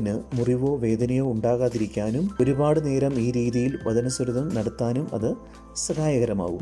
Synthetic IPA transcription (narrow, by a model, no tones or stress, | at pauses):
nɨmuriʋo̞ːʋe̞ːd̪ɐnɐjoːuɳɖaːɣaːðiɾikʲːaːnumo̞ɾubaːɽɨne̞ːɾɐmiːɾiːðijilʋɐd̪ɐnɐsɐɾuðɐmnɐɽɐt̪ːaːnumɐ̰ðɨ | sɐhaːjɐɣɐɾɐma̰ːʋum